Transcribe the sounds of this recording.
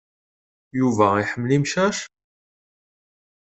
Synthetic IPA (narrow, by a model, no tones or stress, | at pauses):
juvæiħəmːlimʃæʃ